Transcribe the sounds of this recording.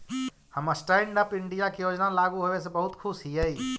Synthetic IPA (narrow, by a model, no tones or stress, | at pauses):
həməsʈaɳɖəpiɳɖijakejod͡ʒnalaɡuɦobesẽbəɦut̪kʰusɦijəi